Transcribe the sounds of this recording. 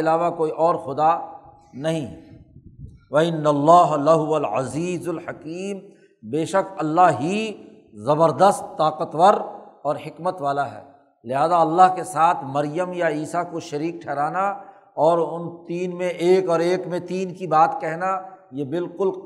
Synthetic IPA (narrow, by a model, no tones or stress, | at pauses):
ɪlaːʋakoːiʔɔːɾxʊd̪a | nɐɦĩɦɛ | ʋɐɪnːɐlːaːɦlɐɦʊʋɐlʕa̰ziːzʊlħɐkiːm | beːʃəkɐlːaɦɦi | zɐbəɾd̪əst̪ːaːqət̪ʋəɾɔːɾhɪkmət̪ʋaːlaɦɛ̰ː | lɪɦaːzaɐlːaɦkesaːt̪ʰmɐɾjəmjaiːsakoʃɐɾiːk̚ʈʰɛːɾaːna | ɔːɾʊnt̪iːnmẽʔeːkɔːɾeːkmẽt̪iːnkibaːt̪kɛɦnajebɪlkʊl